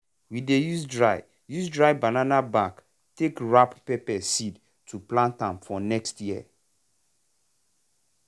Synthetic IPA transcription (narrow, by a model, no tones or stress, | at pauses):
widejusdɹaɪ | juzdɹaɪbananabãk | tekɹappepɛsid | tʰuplãntãmfɔnɛkstjiə̰